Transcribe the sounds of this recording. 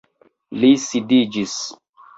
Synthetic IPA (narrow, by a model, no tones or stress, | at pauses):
lisidid͡ʒis